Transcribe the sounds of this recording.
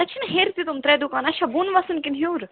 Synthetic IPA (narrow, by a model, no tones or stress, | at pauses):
t̪ɐt͡ʃʰinɦeːɾt̪it̪umt̪ɾeːd̪ukaːnɐʃɐbuːnʋaːsunkinɦuːɾ